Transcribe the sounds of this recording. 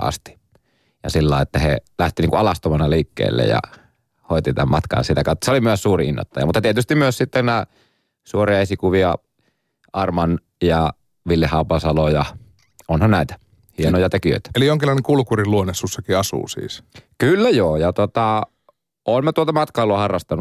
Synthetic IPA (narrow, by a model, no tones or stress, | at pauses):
ɑ̰st̪i̥ | jɑsilːɑ̰ˑeet̪ːæhḛlæht̪iniːŋkuɑlɑst̪omɑnɑliːkːḛːlːḛjɑ̰ | hoˑit̪it̪æmmɑ̰t̪kɑ̰ːnsit̪ækɑˑot̪ːɑseolimyøssuːriinːo̰t̪ːɑjɑ̰mut̪ːɑt̪iet̪yst̪immyøssit̪ːenæː | suoriɑesikuʋiɑ | ʔɑrmɑn | jɑ | ʋilːehːˑɑˑupɑsɑlojɑ | onhɑnnæˑit̪æ̥ | hienojɑt̪ekiø̰ˑit̪æ̥elijoŋkilːɑˑineŋkulukuriluonesːusːɑkiɑsṵːsḭːskylːæjoːjɑt̪ot̪ɑ | ʔoːnmet̪uolt̪ɑmɑt̪kɑˑolːoɑhɑrːɑst̪ɑnu